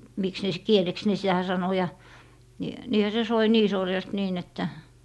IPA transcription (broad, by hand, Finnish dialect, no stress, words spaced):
miks ne s kieleks ne sitæ sɑno jɑ ni niːhæ se soi niː sorjɑst niːn etːæ